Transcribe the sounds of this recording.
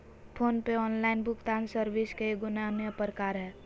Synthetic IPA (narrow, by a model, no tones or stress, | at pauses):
pʰoːnpeɔːnlaːɪnbʱʊkt̪aːnsəɾʋiskeɡʊnameəpɾəkaːɾɦɛː